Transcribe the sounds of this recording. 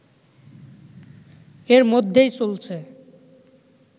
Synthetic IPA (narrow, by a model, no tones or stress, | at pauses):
eɾmod̪ʱːejt͡ɕolt͡ɕʰe